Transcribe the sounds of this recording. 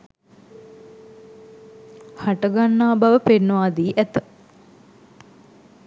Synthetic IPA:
haʈəɡanːaːbaʋəpenːəʋaːd̪iːʔæt̪ə̥

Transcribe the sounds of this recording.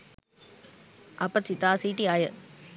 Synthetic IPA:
ʔɐpːɐsit̪aːsiːʈːiaːjɐ

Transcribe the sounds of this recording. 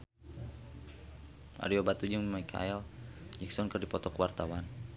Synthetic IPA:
ʔa̰ɾiobat̪ud͡ʒiŋmajkʰa̰ɛld͡ʒɛksɔnkərdipɔt̪ɔkəwart̪awan

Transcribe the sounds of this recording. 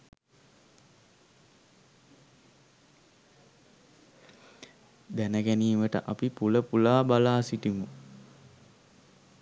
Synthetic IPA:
d̪ænəɡæniːʋəʈə̰ʔapipuləpulaːbalaːsiʈimu

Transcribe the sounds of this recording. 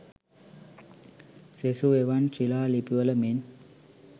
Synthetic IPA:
sesueʋant͡ɕilaːlipiʋələmen

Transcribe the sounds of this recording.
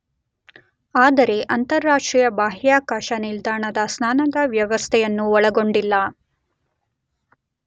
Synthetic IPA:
aːd̪ɐɾe̞ʔɐnt̪ɐɾːaːʂʈɾiːjɐbaːɦjaːkaːʃɐnild̪aːɳɐd̪ɐsnaːnɐd̪ɐʋjɐʋɐst̪ʰɛjɐnːuɔɭɐɡo̞ɳɖilːɐ

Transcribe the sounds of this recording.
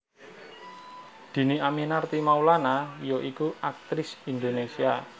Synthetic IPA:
d̪̥i̤niaminart̪imaulanajoʔikuak̚t̪ɾɪsind̪onesia

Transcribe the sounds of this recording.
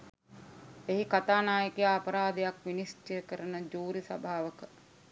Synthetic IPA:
eɦikat̪aːnaːjəkejaapəɾaːd̪ejakʋinisʈekəɾənəd͡ʒuːɾisa̰bʱaːʋəkə

